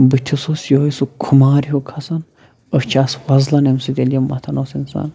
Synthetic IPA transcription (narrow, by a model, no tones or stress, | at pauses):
bɨt̪ʲʰisosjoːisukʰumaːɾiɦokʰɐsɐn | əft͡ʃʰiaswɐzlɐnemsɨd̪ʲelʲjɐmːɐt̪ʰɐnoːsinsɐ̰n